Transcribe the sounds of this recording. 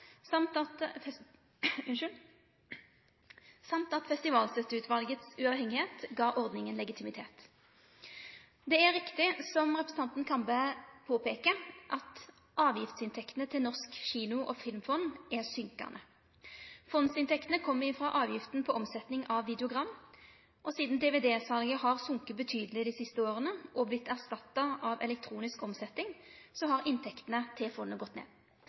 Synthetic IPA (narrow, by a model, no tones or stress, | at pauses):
sɑmt̪ɑt̪ | sɑmt̪ɑt̪fɛst̪ɪʋɑːlsɛt̪ʉːt̪ʰʋɑlɡət̪sʉɑʋhɛŋːɪheːt̪ɡɑːʔɔʁd̪nɪŋənlɛɡɪt̪ʰɪmɪt̪ʰeːt̪ | d̪ɛæʁɪkt̪ɪsɔmʁɛpʁəsn̩ɑnt̪n̩kʰɑnbəpʰoːpeːkəʔɑt̪ | ʔɑːʋjɪft̪sɪnt̪ʰɛkt̪ənət̪ʰɪlnɔʁskɕiːnʊʔɔfɪlmfɔnːæʁsʏŋkɑ̰ʁnʔə | fɔnsɪnt̪ʰɛkt̪ənəkʰɔmːəʁɪfʁɑʔɑːʋjɪft̪n̩pʰɔʔɔmsɛt̪nɪŋɑʋːɪd̪ɛʊɡʁɑm | ʔɔsiːd̪n̩d̪eːʋeːd̪eːsɑlɡəhɑʁsʊŋkəbət̪ʰyːd̪əlɪd̪ɪsɪst̪əoːʁənəʔɔblɪt̪ːæʁst̪ɑt̪ːɑʔɑʋɛ̰lɛk̚t̪ʰʁuːnɪskɔmsɛt̪ːɪŋsɔhɑʁɪnt̪ʰɛkt̪ənət̪ʰɪlfɔnːəɡɔt̪ːnḛː